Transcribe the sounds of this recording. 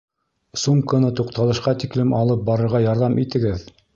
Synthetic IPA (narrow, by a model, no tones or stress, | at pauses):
sumkənɤt̪uqt̪ɑlˠɤ̆ʃqɑt̪iklɘmɑlˠɤp̚bɑɾɤ̆ɾʁɑjɑɾðɑmʔit̪ɘ̆ɡɘð